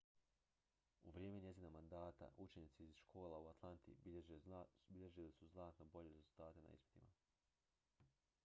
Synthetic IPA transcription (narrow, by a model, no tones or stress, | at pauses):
uʋɾjeːmeɲe̞ziːnamand̪aːt̪a̰ʔut͡ʃeɲiːt̪siizʃkʰo̞ːlˠauat̪ʰlˠant̪ḭ | biʎe̞ʒilisuznaːt̪no̞bo̞ʎe̞ɾezulˠt̪aːt̪e̞na̰ḭspi̥t̪ima̰